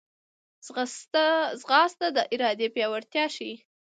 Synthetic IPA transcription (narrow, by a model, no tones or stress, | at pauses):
zɣɑst̪ad̪əʔɪɾɑd̪epjɑwaɾt̪jɑʃi